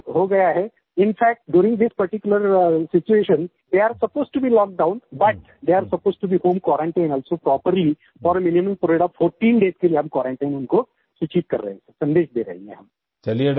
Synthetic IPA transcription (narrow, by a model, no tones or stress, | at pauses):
ɦoɡɐjaɦɛ | ɪ̃nfɛːk̚ʈ̚ɖjuːɾɪ̃ŋɡd̪ɪspɐɾʈɪkjʊləɾsɪt͡ʃueːʃə̃n | d̪eaɾsɐpoːzʈubiːlɔːk̚ɖãʊ̃nbɐʈ̚ | d̪eːaɾsɐpoːzʈubihõːmkwɔːɾãɳʈãɪ̃nɔːlsopɾɔːpəɾli | fɔːɾəmɪnɪmə̃mpɾeːɖɔʋfoːɾʈĩːnɖeːzkelijeɦɐ̃mkwɔːɾãɳʈaɪ̃nʊnko | sɪt͡ʃiːt̪̚kɐ̰ɾːɐ̰ɦẽssɐ̃nd̪eːʃd̪eːɾɐ̰ɦḛ̃ḛ̃ɦɐm | t͡ʃɐlie